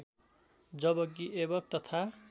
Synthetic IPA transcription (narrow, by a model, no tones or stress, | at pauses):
d͡zʌbʌk̬iʔebʌk̚t̪ʌt̪ʰa